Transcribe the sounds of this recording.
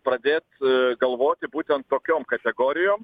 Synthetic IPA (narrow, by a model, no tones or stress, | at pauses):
pɾɐd̪ʲeːt̪ɡɐlˠʋoːt̪ʲɪbuːt̪ʲɛnt̪t̪ːoːkʲoːmkɐt̪ʲɛɡoːɾʲɪjoːm